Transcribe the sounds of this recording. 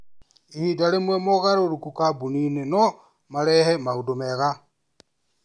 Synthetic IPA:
ihidalemwemoɣaɾoɾukukabunineno | malehemaɣudomeɣa

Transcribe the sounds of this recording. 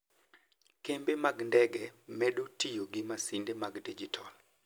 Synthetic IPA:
kembemaɡndɛɡɛmɛɗotijoɡɪmasindemaɡdid͡ʒitʰɔl

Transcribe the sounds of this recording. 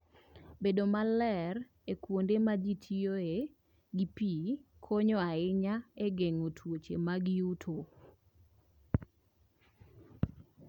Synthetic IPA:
bedomalɛr | ekwondemad͡ʒitʰioe | ɡipikʰoɲɔaɪɲaeɡeŋotʰwot͡ʃḛmaɡɪutʰo

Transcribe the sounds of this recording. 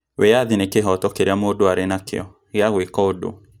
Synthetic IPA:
wɛjaðinekeɦɔtɔkeɾjamodoaɾenakḛɔ | ɣjaɣekɔodo̰

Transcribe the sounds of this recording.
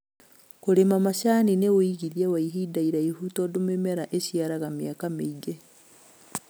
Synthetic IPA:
koɾemamaʃaːninewoiɣiðiawaiɦiːdaiɾaihutɔdomemɛɾaʔeʃiaɾaɣameakameiɡɛ

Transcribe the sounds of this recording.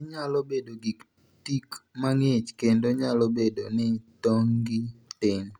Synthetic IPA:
ɲalobedoɡik | tikmaŋet͡ʃkendoɲalobedonɪtoŋɡitɪŋ

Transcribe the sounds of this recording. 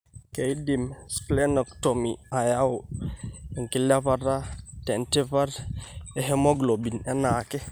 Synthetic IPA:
kejdimsklɛnɔktomiajaw | ɛŋkilafaɾatɛntɛvaɾɛɦɛmɔɡlobinɛnakɛ

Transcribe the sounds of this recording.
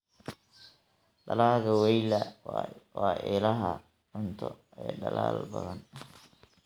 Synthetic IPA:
ɖɐlaːɣɐwɛjlɐ | wɑːʔɛːlɐɦɐ | ʊnt̪ʰɔ̰ | ɛjɖɐla̰ːlbɐðɐn

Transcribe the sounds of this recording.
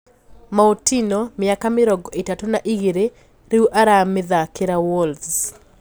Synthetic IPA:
maotinomɪakamɪɾɔɡɔɪtatonaʔiɡeɾe | ɾiuʔaɾamɪðakɪɾawɔl

